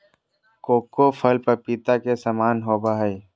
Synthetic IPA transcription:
koːkofʰəlpəɾpit̪akesɐmaːnɦoːbaɦi

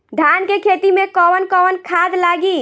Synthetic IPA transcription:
d̪ʱankekʰet̪imekɔwənkɔwənkʰad̪laɡi

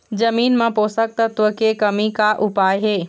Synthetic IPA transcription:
d͡ʒəmiːnmə̃poːsək̚t̪ət̪ukekəmikaʔʊpaːjɦeː

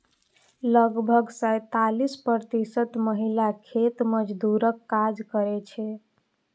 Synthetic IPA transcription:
ləɡbʱəɡsəjt̪alispəɾt̪isət̪məɦilakʰet̪məd͡ʒd̪uɾəkːad͡ʒkəɾɛt͡ʃʰɛ

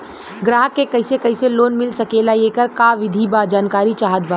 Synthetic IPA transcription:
ɡɾaːɦəkːekɐɪsekɐɪseloːnmɪlsɐkeːlaekəɾkaʋɪd̪ʱibad͡ʒaːnkaːɾit͡ʃaːɦət̪̚ba

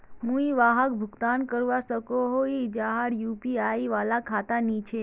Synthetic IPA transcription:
mũiʋaɦəkbʱʊɡt̪ankəɾʋasəkoɦoid͡ʒaɦaɽjupiajiʋalakʰat̪anit͡ʃʰe

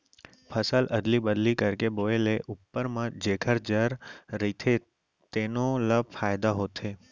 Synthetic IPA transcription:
pʰəsəlʔəd̪libəd̪likəɾkeboeleʔupːəɾmãd͡ʒekʰəɾd͡ʒəɾɾit̪ʰe | t̪enoləbfajd̪aɦot̪ʰe

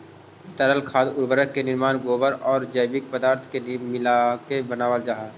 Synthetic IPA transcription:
t̪əɾəlkʰaːd̪ʊɾbəɾəkːenɪɾmaːnɡoːbəɾɔːɾd͡ʒəjbɪk̚pəd̪aːɾt̪ʰkemɪlakebənaːʋəld͡ʒaːɦa

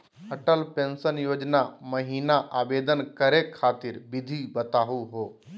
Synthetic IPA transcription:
əʈəlpẽːnsənjoːd͡ʒnaməɦiːnaʔaːbeːd̪ənkəɾekʰːaːt̪ɪɾbɪd̪ʱibət̪aːɦuɦoː

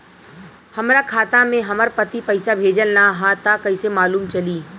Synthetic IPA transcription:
hɐmɾakʰaːt̪amẽɦɐməɾpət̪ipɐɪsabʱeːd͡ʒəlnaɦat̪akɐɪsemaːluːmt͡ʃɐliː

